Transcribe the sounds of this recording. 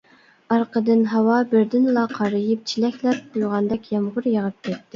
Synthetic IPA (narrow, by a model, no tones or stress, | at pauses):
ɑɾqʰəd̪ɨnɦɑwɑbɪɾd̪ɪnlˠɑqʰɑɾɨjɨp̚t͡ʃʰilɛkʲlɛp̚qujʁɑnd̪ɛkʲjɑmʁʊɾjəʁəp̚kʲɛt̪ːɪ